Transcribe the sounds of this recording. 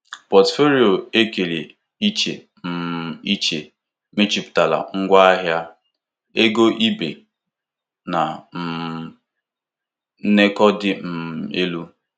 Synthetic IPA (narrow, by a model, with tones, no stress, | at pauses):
pɔ˨tfo˦ɾi˦o˨e˦ke˨le˨ | i˦t͡ʃḛ˨ | m̩˨i˦t͡ʃe˨ | me˦t͡ʃi˨pʊ̥˨ta˨la̰˨ŋ̩˦ɡʷa˦a˦ɦja˦ | e˦ɡo˦ʔi˦bḛ˨ | na˨m̩˨˦ | ne˦kɔ˦dɪ˦m̩˨m˨e˦lu˦